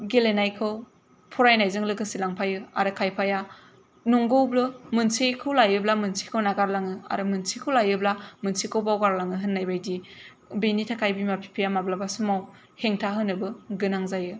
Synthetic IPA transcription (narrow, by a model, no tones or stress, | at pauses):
ɡelenajkʰɯw | pʰɔɾajnajzɯŋlɯɡɯsilaŋpʰajɯa̰ɾɯkʰajpʰaja | nɔŋɡɯwblɯmɯnsikʰɯwlajɯblamɯnsʰi̥kʰɯwnaɡaɾlaŋɯa̰ɾɯmɯnsʰikʰɯwlajɯblamɯnsikʰɯwbawɡaɾlaŋɯɦɯnːajbajdi | benitʰakʰajbimapʰi̥pʰijamablabasumaw | heŋtʰaɦɯnɯbɯɡɯnaŋzajɯ